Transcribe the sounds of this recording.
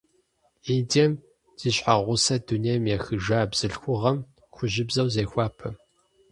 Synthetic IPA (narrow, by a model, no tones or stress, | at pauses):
iːdɛm | z̥iːɕħaʁʷʊsɐdunejmjɛxɨʒaːbz̥ɨɬxʷʊʁɐm | xʷʊʒɪbzɐwzeːxʷɑːpʰɐ